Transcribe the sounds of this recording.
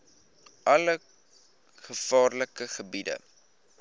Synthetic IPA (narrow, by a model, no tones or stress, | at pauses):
ʔɐlə | χəfɑːrləkəχəbidə̰